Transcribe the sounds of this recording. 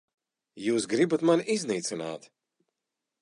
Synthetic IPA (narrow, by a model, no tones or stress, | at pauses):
juːsɡɾibat̪manizniːt̪sinaːt̪